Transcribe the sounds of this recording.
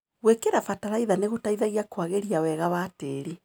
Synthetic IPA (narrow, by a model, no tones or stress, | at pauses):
ɣwekeɾafataɾaiðaneɣotaiðaɣiakwaɣeɾiawɛɣaβateːɾe